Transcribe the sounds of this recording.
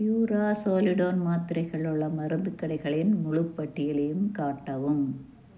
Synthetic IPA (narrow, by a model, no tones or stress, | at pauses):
juːɾaːsoːlɪɽoːnmaːt̪ɪɾɐɪɣɐɭɯɭːɐmɐɾɯnd̪ɯkːɐɽɐɪɣɐɭɪnmʊɻɯpːɐʈːɪjɪlɐjɯmkaːʈːɐʋɯm